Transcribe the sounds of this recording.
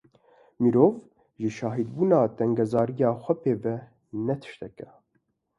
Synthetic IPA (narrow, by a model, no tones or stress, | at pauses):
miɾoːv | ʒɨʃɑːɦid̪buːnaːt̪ɛŋɡɛzɑːɾijɑːxʷɛpeːvɛ | nɛt̪ʰɨ̥ʃt̪ɛkɛ